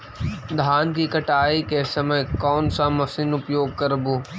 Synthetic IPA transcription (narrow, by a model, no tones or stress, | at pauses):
d̪ʱaːnkikɐʈaːikesɐməjkɔːnsamɐfsɪnʊpjoːɡ̚kɐɾbuː